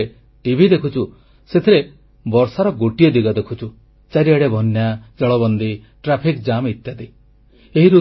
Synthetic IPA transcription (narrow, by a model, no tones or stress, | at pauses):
e | ʈibʱid̪ekʰut͡ʃʰu | set̪ʰiɾe | bɔɾsaɾɔɡoʈijɔd̪iɡɔd̪ekʰut͡ʃʰu | t͡ʃaɾiaɽebʱɔnjad͡ʒɔɭɔβɔnd̪i | ʈɾapʰikd͡ʒamit̪jat̪i | eɦiɾu